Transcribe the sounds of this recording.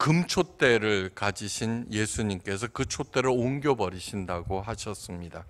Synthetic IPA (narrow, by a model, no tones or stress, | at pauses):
kɯmt͡ɕʰot͈e̞ɾɯɭkad͡ʑiɕʰinje̞sʰuɲimk͈e̞sʰʌkɯt͡ɕʰot͈e̞ɾɯɭoŋɡjobʌɾiɕʰindaɡohaɕʰʌs͈ɯmɲida